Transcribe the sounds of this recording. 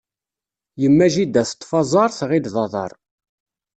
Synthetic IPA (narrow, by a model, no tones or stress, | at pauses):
jəmːæʒid̪æθə̥t̪ˤːfɑzˤɑɾˤθʁilðɑðˤɑ̰ɾˤ